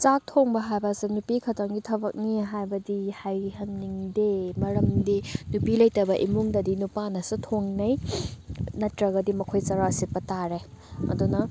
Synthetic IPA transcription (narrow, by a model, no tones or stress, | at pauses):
t͡ʃak̚tʰoŋbɐɦajbɐsinupikʰɐtaŋɡitʰɐbɐk̚niɦajbɐdihajhɐŋniŋdemɐɾɐmdinupilɐjtɐbɐʔimuŋdɐdinupanɐsutʰoŋnɐj | nɐtɾɐɡɐdimɐkʰojt͡ʃɐɾasipːɐtaɾe | ɐ̰dunɐ